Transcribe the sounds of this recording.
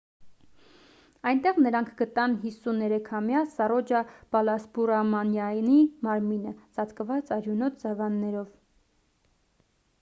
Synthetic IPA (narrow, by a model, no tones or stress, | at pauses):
ɑjnt̪ɛʁnəɾɑŋkʰɡət̪ɑnɦisunɛɾɛkʰɑmjɑsɑrɔd͡ʒɑb̥ɑlɑsbuɾɑmɑnjɑnimɑɾminəzɑt͡s̪ʰkəvɑt͡sɑɾjunɔt̪ʰd͡zɑvɑnːɛɾɔv